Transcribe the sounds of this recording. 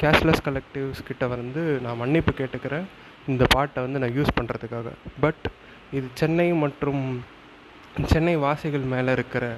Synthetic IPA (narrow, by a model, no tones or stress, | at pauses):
kaːslɐskɐlɛk̚ʈɪʋskɪʈːɐʋɐnd̪ɯnãːmɐɳːɪpːɯkeːʈːɯkːɪɾẽː | ɪnd̪ɐpaːʈːɐʋɐnd̪ɯnãːjuːspɐɳːɾɐðɯkːaːɣɐ̰bɐʈ | ɪðɯt͡ʃɛnːɐɪmɐʈrɯm | t͡ʃɛnːɐɪʋaːsɪɣɐɭmeːlɐɪɾɯkːɪɾɐ